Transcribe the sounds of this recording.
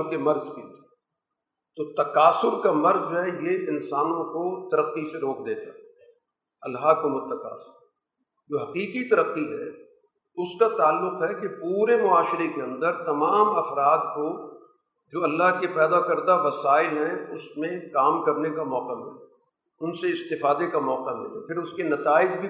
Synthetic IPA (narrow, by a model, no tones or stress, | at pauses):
kemɐɾzki | t̪ot̪ɐqaːsʊɾkamɐɾzd͡ʒoɦɛjeɪnsaːnõkot̪ɐɾəqːiseɾoːkd̪eːt̪aɦɛ | ɐ̰lɦakomʊt̪ːɐka̰ːsʊɾ | d͡ʒoːɦɐqiːqit̪ɐɾəqːiɦɛ̰ | ʊskat̪aːlːʊqɦɛkepuːɾemʊaːʃɪɾekeɐ̃nd̪əɾt̪ɐmaːmɐfɾaːd̪ko | d͡ʒoːɐlːaɦkepɛːd̪akɐɾd̪aʋɐsaːɪlɦɛ̃ʊsmẽkaːmkɐɾnekamɔːqamḛ̃a | ʊnseɪst̪ɪfaːd̪ekamɔːqamḛ̃apʰɪɾʊskenɐt̪aːɪd͡ʒbʱi